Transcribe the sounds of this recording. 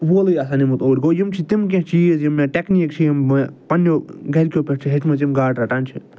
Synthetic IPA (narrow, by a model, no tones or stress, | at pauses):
ʋoːlɨjɐsanimut̪oːɾʲɡoːjimt͡ʃʰit̪imk̬ʲẽt͡ʃiːzjimːãʈeknik̚t͡ʃʰijimɐpɐnjoːɡɐɾʲkʲoːpʲeʈt͡ʃʰiɦet͡ʃʰmɐt͡simɡaːʈɾɐʈaːnt͡ʃʰi